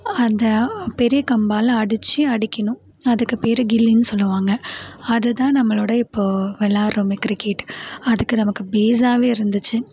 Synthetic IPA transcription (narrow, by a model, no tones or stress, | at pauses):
ɐnd̪ɐpɛɾɪjɐkɐmbaːlɐɐɽɯt͡ʃːɯɐɽɪkʲːɐɳʊ̃ | ɐðɯkːɯpeːɾɯɡɪlːinɯsɔlːɯʋaːŋɡɐɐðɯt̪ãːnɐmːɐɭoːɽɐɪpːoːʋɛlːaːɾomɛkːɾɪkːeːʈɐðɯkːɯnɐmɐkːɯbeːsaːʋeːɪɾɯnd̪ɯt͡ʃːɯ